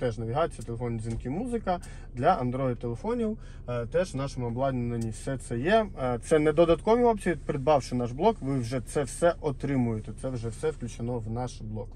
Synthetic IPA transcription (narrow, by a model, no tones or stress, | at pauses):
t̪ɛʒnɐʋʲiɦɑjt͡sʲjɐt̪elˠefɔnʲizʲinkʲimuzɪkɐ | d̪lʲɐʔɐnd̪ɾɔɪd̪̚t̪ːelˠefɔnʲiw | t̪ɛʒnɑʃemʊɔblˠɑd̪ʲnʲnenʲːiwsɛt̪sɛjɛt̪sɛnɛd̪ɔd̪ɐt̪kɔʋʲiɔpsʲiʋʲipɾɪd̪̚bɑwʃɪnɑʒblˠɔkʋɪwʒɛt̪sɛwsɛʔɔt̪ɾɪmʊjet̪ɛt̪sɛwʒɛwsɛfklʲʉt͡ʃɪnɔwnɑʃblˠɔk